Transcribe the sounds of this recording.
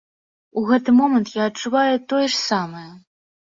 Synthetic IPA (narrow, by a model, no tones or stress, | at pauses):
uɣɛt̪ɨmɔmɐnt̪jaɐt̚t͡ʂːuvajut̪ɔjɛʂsamɨjɐ